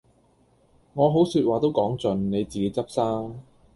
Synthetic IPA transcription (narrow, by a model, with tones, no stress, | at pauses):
ŋɔː˨˧ɦo˨˥wsyː˧t̚waː˨t̪o˥wkɔː˨˥ŋt͡sɵ˧nne˨˧jt͡siː˨ke˨˥jt͡sɐ˥p̚saː˥ŋ